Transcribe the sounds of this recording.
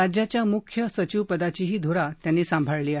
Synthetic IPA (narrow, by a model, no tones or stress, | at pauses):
ad͡ʑjat͡ɕjamukʰjəsət͡ɕiʋpəd̪at͡ɕiɦiːd̪ʱoɾat̪janːiːsãmbʱaɭliːaɦ